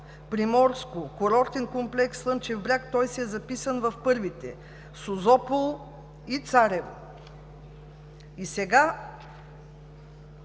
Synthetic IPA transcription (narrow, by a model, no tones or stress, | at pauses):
pɾimɔɾskokoɾɔɾt̪ɛnkomplɛkslˠɤnt͡ʃɛvbɾʲakt̪ɔjsiɛzɐpisənvɐfpɤɾvit̪ɛ | sozɔpolˠ | it̪saɾɛvo̰ | isɛɡa